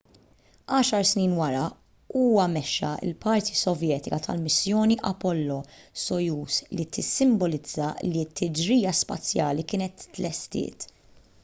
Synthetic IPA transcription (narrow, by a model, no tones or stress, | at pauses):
ɐːʃɐɾsniːnwɐɾɐ | uːwɐmɛʃːɐ̰ɪ̰lpɐɾt̪ʰisɔvjɛːt̪ɪkɐt̪ʰɐ̰lmɪsjɔːniʔɐpɔlːɔsɔjuːslit̪ʰɪsːɪmbɔlɪd͡zːɐlit̪ʰːɪd͡ʒɾiːjɐspɐ̰t͡sːjɐːlikɪːnɛt̪ːlɛst̪ɪ̰ːt̪